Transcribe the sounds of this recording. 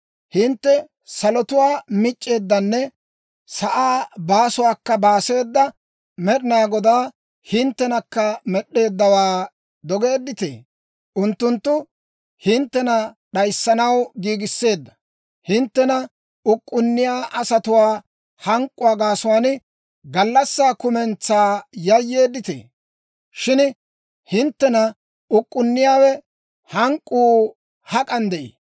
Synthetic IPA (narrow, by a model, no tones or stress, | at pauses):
hɪnt̪ːɛ | sɐlɔt̪ʊwaːmɪt͡ʃʼːe̞ːd̪ːɐnːɛ | sɐʔaːbaːsʊwaːkːɐbaːse̞ːd̪ːɐ | mɛɗɪnaːɡɔd̪aː | hɪnt̪ːɛnɐkːɐmɛɗːe̞ːd̪ːɐwaː | d̪ɔɡe̞ːd̪ːɪt̪ḛː | ʔʊnt̪ːʊnt̪ːʊ | hɪnt̪ːɛnɐ | ɗɐjsːɐnɐwɡiːɡɪsːe̞ːd̪ːɐ | hɪnt̪ːɛnɐ | ʊkʼːʊnːɪjaːʔɐsɐt̪ʊwaː | hɐŋkʼːʊwaːɡaːsʊwaːn | ɡɐlːɐsːaːkʊmɛnt͡saːjɐjːe̞ːd̪ːɪt̪ḛː | ʃɪn | hɪnt̪ːɛnɐ | ʊkʼːʊnːɪjaːwɛ | hɐŋkʼːuː | hɐkʼɐnd̪ɛʔḛ